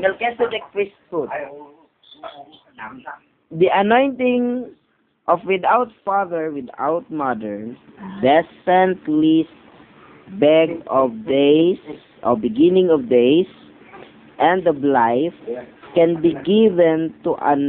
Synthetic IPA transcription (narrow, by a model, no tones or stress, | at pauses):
ɛlkɛsɔdɛk̚pɹisfut̪̚ | d̪iʔɐnɔ̃jnt̪ɪ̃ŋ | ʔɔfwɪd̪awt̪̚faðɛɹwɪd̪a̰wt̪̚mad̪ɛɹn | d̪ɛsɛ̃nt̪lis | bɛɡɔvd̪es | ʔɔbɪɡɪ̃nɪ̃ŋɔvd̪ejs | ʔɛ̃nd̪əblajfkɛ̃nbiɡɪvɛ̃nt̪uʔa̰n